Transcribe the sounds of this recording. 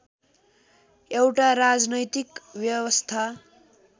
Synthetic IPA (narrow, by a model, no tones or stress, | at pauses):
ewʈaɾad͡znʌjt̪ikbjʌwʌst̪ʰa